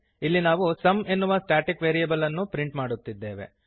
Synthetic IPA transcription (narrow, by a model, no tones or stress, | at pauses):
ilːinaːʋusɐme̞nːuʋɐsʈaːʈikʋeːɾiɐbɐlɐnːupɾiɳʈmaːɽut̪ːid̪ːeːʋe̞̰